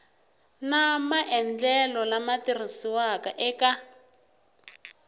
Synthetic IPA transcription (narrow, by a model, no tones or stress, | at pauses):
namaʔɛnd͡ɮɛlɔlamatirisiwakaʔɛka